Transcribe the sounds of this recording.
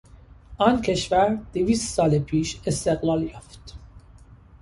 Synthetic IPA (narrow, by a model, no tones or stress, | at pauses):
ʔɒːncʰe̞ʃvæɾd̪̥eviːst̪sɒːlepʰiːʃest̪eɣlɒːljɒːft̪